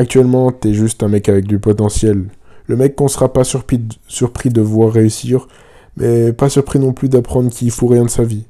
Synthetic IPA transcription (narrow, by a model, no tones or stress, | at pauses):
ak̚t̪ɥɛlmɑ̃t̪ɛʒyst̪ɛ̃mɛkavɛk̚d̪ypɔt̪ɑ̃sjɛlːəmɛkːɔ̃səʁapasyʁpisyʁpχid̪əvwaʁːeysiːʁ | mʔɛpasyʁpχinɔ̃plyd̪apχɑ̃d̪ʁəkʰilfoʁjɛ̃d̪əsavi